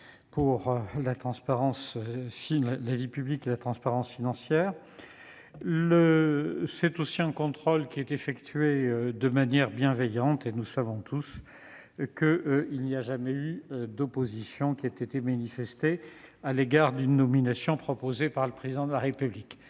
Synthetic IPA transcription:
puʁlat̪χɑ̃spaʁɑ̃sfilalavipyblikelat̪χɑ̃spaʁɑ̃sfinɑ̃sjɛːʁ | ləsɛt̪osiɛ̃kɔ̃t̪χolkʲiɛt̪efɛkt̪ɥeød̪əmanjɛʁbjɛ̃vɛjɑ̃t̪enusavɔ̃t̪ʰus | kəʔilniaʒamɛyd̪ɔpozisjɔ̃kʲiat̪et̪emanifɛst̪e | aleɡaʁd̪ynːɔminasjɔ̃pχɔpozepaʁləpχezid̪ɑ̃d̪əlaʁepyblik

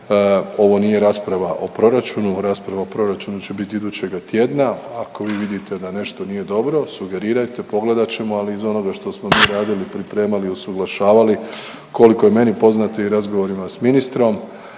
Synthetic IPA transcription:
o̞ʋo̞niːje̞ɾaːspɾaʋaʔo̞pɾo̞ɾat͡ʃunuɾaːspɾaʋaopɾo̞ɾat͡ʃunut͡ɕe̞bit̪iid̪uːt͡ɕe̞ɡat̪jed̪naako̞ʋiːʋid̪it̪e̞d̪ane̞ʃt̪o̞nije̞d̪o̞bɾo̞suɡe̞ɾiːɾajt̪e̞po̞ɡle̞d̪at͡ɕe̞moaliːzo̞no̞ɡaʃt̪o̞smo̞miːɾaːd̪ilipɾipɾe̞ːmaliosuɡlˠaʃaːʋali | ko̞liko̞je̞me̞nipo̞znat̪oiɾazɡo̞ʋo̞ɾimasminist̪ɾo̞m

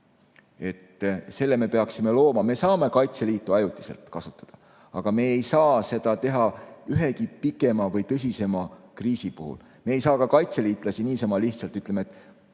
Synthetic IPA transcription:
e̞t̪se̞lːe̞me̞pe̞ɑksime̞lo̞ːmɑme̞sɑːme̞kɑjt̪se̞liːt̪ːˑuɑjut̪ːˑi̥selt̪kɑsu̥t̪ːˑɑ̥d̪̥ɑ̥ | ɑɡ̥ɑme̞ːejsɑːse̞d̪̥ɑt̪e̞ɦɑyɦe̞kipikːˑe̞mɑvɤjt̪ɤs̬ʲise̞mɑkriːsipuhṵl | me̞ːjsɑːkɑkɑjt̪se̞liːt̪ˑlɑsiniːsɑmɑliht̪sɑlt̪ːyt̪le̞met̪ːˑ

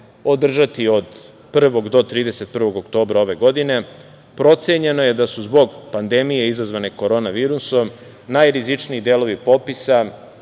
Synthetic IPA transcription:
o̞d̪r̩ʒat̪io̞d̪ | pr̩ʋo̞ɡd̪o̞t̪ɾiːd̪e̞se̞t̪̚pr̩ʋo̞ɡokt̪o̞ːbɾao̞ʋe̞ɡo̞d̪ine̞ | pɾo̞t̪seɲe̞no̞je̞d̪asuzbo̞ɡpand̪e̞mije̞izazʋane̞ko̞ɾo̞naʋiːɾuso̞m | najɾizit͡ʂniːd̪eːlo̞ʋipo̞pisa

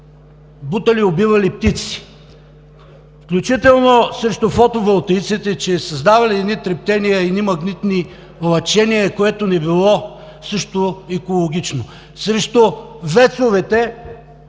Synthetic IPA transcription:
but̪ɐliobivɐlip̚t̪it̪si̥ | fklʲut͡ʃit̪ɛlˠnosɾɛʃt̪ʊfɔt̪ovɛlˠt̪ɛjt̪sit̪ɛt͡ʃɛsɐzd̪avɐliɛd̪nit̪ɾɛp̚t̪ɛnijəɛd̪nimɐɡnit̪ni | lˠɐt͡ʃɛniɛkoɛt̪onɛbilˠɔ | sɤʃt̪oɛkolˠoɡ̟ʲit͡ʃno | sɾɛʃt̪ovɛt̪sovɛt̪ɛ

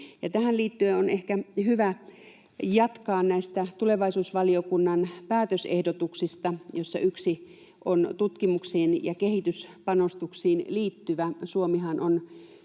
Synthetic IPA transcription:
jɑt̪æhælliːt̪ːyeonehkæhyʋæ | jɑt̪kɑːnnæist̪æt̪uleʋɑisuːsʋɑliokunːɑnpæːt̪øsḛhdot̪uksist̪ɑjosːɑ̰ʔyksi | ʔont̪ut̪kimuksiːnjɑ̰kehit̪yspɑnost̪uksiːnliːt̪ːyʋæsuomihɑnon

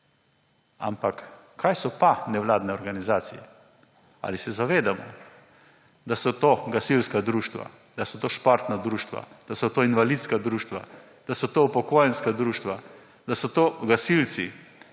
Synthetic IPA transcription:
a̰mpakːʰ | ajsɔpanɛʋlaːd̪nɛɔɾɡanizaːt̪sijɛ | a̰lisɛzaʋeːd̪amɔ̰ | d̪asɔt̪oːɡasilskad̪ɾuːʃt̪ʋa̰ | d̪̥asɔt̪oːʃpaɾt̪nad̪ɾuːʃt̪ʋa̰d̪̥asɔt̪oːinʋalit̪skad̪ɾuːʃt̪ʋa̰ | d̪̥asɔt̪oupɔkoːjɛnskad̪ɾuːʃt̪ʋa | d̪asɔt̪oɡasilsi

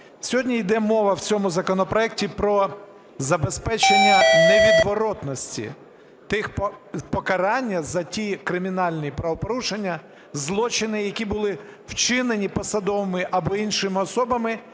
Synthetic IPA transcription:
sʲɔɦɔdʲnʲijd̪ɛmɔʋɐwt͡sʲɔmʊzɐkɔnɔpɾɔɛk̚tʲipɾɔ | zɐbespɛt͡ʃenʲːɐneʋʲid̪ʋɔɾɔt̪nɔsʲtʲḭ | t̪ɪxppɔkɐɾɑnʲːɐzɐtʲikɾɪmʲinɑlʲnʲijipɾɐʋɔpɔɾuʃenʲːɐ | zlˠɔt͡ʃɪnɪjɐkʲibʊlˠɪwt͡ʃɪnenʲipɔsɐd̪ɔʋɐmɪʔɐbɔinʃɪmɪɔsɔbɐmɪ

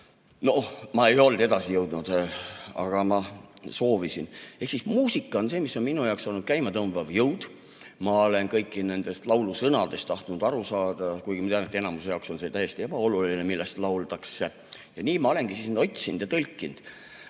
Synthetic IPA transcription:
no̞mɑe̞jo̞ld̪e̞d̪ɑsijɤwd̪̥nud̪̥ɑ̰ɡ̥ɑmɑso̞ːvisine̞hksismuːsikːˑɑo̞nse̞ːmisːo̞nminujɑwksolnud̥̪̚kæjmɑt̪ɤmbɑvjɤwd̪̥ | mɑole̞nkɤjkːˑine̞nd̪̥e̞st̪lɑwlusɤnɑd̪̥e̞st̪ɑht̪nud̪ɑɾusɑːd̪̥ɑkujɡimɑt̪eɑnet̪ːe̞nɑmuse̞jɑokso̞nse̞t̪æje̞st̪ieb̥ɑo̞lulinemilːest̪lɑwlt̪ɑksːe | jɑniːmɑo̞le̞nɡ̥isisnend̪o̞t̪ʲsind̪̥jɑt̪ɤlkːˑind̪̥

